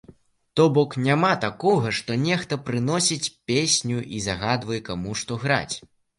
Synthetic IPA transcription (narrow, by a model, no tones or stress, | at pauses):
t̪ɔbɔknʲamat̪akɔɣɐʂt̪ɔnʲɛxt̪ɐpɾɨnɔsʲit͡sʲpʲesʲnʲuʔizaɣad̪vɐjɛkamuʂt̪ɔɣɾa̰t͡sʲ